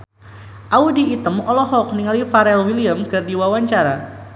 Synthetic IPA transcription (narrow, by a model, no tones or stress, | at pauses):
ʔaudiːt̪əmɔlɔɦɔk̚niŋalifaɾɛlwiliamkardiwawaɲt͡ʃaɾa